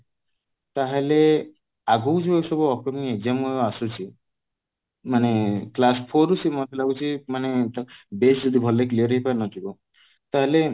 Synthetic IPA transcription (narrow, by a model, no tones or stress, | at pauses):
t̪aɦele | aɡowd͡ʒuewsɔbuɔkɾɔmied͡ʒamɔjasut͡ʃʰi | maneklaspʰoɾusimɔt̪ʰelaɡut͡ʃʰimanet̪besd͡ʒɔd̪ibʱɔlekliɔɾɔɦipanɔt̪ʰibɔ | t̪aɦele